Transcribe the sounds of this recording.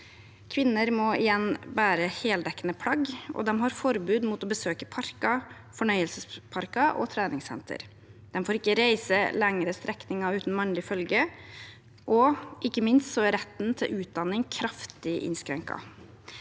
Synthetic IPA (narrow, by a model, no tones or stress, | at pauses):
kʰʋɪnːəɾmɔɪjɛnbæːɾəheːld̪ɛkːənəpʰlɑɡʔɔ̰d̪ɛmɦɑɾfɔɾbʉːd̪mut̪ɔbəsøːkəpʰɑɾkɑ | fɔɳœʏəlsəspʰɑɾkɑʔɔ̰t̪ʰɾæːnɪŋsɛ̰nt̪ʰə̰ɾ | d̪̥ɛmfoːɾɪkːəɾæɪsəlɛŋɾəst̪ɾɛknɪŋɑʉːt̪n̩mɑnlɪfœlɡə | ʔɔʔɪkːəmɪnst̪sɔæɾɛt̪ːnt̪ʰɪlʔʉːt̪̚d̪ɑnːɪŋkʰɾɑft̪ɪʔɪ̰nskɾɛŋkɑ̰